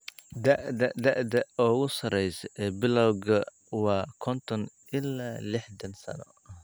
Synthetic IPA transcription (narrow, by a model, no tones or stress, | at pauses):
d̪ɐʔd̪ɐd̪ɐʔd̪ɐɔːɣʊsɐɾɛjsɛbɪlɐwɡɐ | wɑːkʰɔnt̪ʰɔn | ʔɪlaːlɪħd̪ɐnsɐ̰nɔ̰